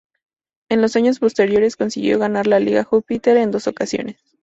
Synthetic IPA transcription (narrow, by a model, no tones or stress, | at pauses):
e̞nlo̞saɲo̞spo̞st̪e̞ɾjo̞ɾe̞sko̞nsiɣjo̞̰ɣanaɾlaliɣaxupit̪e̞ɾe̞nd̪o̞so̞kasjo̞̰ne̞s